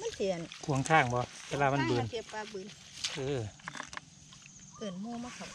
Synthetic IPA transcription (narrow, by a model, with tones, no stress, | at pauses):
ma˧˥˨nsi˨˩ə˨nkʰu˧˦əŋkʰaː˧˥˩ŋbɔ˧˦ʋeː˧˨laː˧ma˧˥˨bɯː˧˨nke˧pːaː˧bɯː˧˩˨n | ʔɤː˧˩ | ɯː˨˩nmuː˧˨ma˧˩kʰa˧˩